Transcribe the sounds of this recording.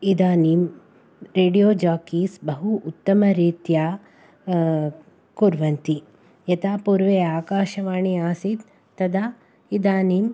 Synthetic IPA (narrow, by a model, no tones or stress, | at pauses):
id̪aːniːm | ɾeːɖijoːd͡ʒaːkiːsbɐɦuʔːt̪ːɐmɐɾiːt̪jaː | kuɾʋɐnt̪i | jɐt̪aːpuːɾʋeːaːkaːʃɐʋaːɳiaːsit̪ː | ɐd̪aː | id̪aːnim